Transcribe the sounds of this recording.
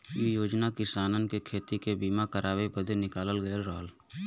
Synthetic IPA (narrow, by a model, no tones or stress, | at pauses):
ijoːd͡ʒnakɪsaːnənkekʰeːt̪ikebiːmakəɾʔaːwebəd̪ʱenɪkaːləlɡəəlɾəɦəl